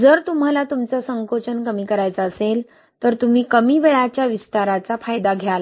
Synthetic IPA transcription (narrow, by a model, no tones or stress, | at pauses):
d͡zəɾt̪um̤alat̪umt͡sasəŋkot͡ɕənkəmiːkəɾajt͡saːsel | t̪əɾt̪um̤iːkəmiːʋeɭat͡ɕjaʋist̪aɾat͡safajd̪aɡʱjala